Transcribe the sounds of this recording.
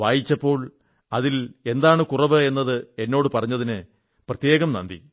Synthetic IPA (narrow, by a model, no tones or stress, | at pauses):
ʋaːjit͡ɕːɐpːo̞ːɭ | ɐðile̞nd̪aːɳɨkurɐʋɨe̞nːɐðɨe̞nːo̞ːɽɨpɐrɐɲːɐðinɨ | prɐt̪je̞ːɣɐmnɐ̰nd̪ḭ